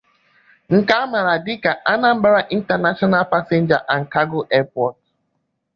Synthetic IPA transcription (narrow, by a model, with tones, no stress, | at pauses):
ŋ̩˨ka˦a˦ma˨ɾa˨dɪ˦ka˨ʔa˦na˦m̩˦ba˦ɾa˦ʔi˦n̩˦ta˨na˦ʃɔ˦na˦pa˦se˦n̩˦d͡ʒa˨ʔa˨ŋ̩˨ka˦ɡʊ˦ʔɛ˦pɔ˨t̚